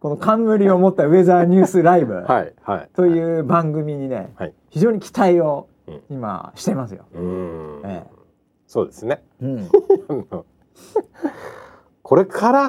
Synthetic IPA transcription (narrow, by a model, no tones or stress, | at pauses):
ko̞no̞kãmːɯ̟ɾʲio̞mo̞t̪ːaɯ̟e̞zaːɲ̟ɨːsɨɾaibɯ̟̰haihait̪o̞jɯ̟ːbãŋɡɯ̟mʲiɲ̟ine̞̰hai | çiʑo̞ːɲ̟ikʲʰi̥t̪aio̞ | ima̰ɕi̥t̪e̞masɨjo̞̰ | ḛː | so̞̰ːd̪esɨne | ɯ̟̃ɴno | kʰo̞ɾe̞kʰaɾa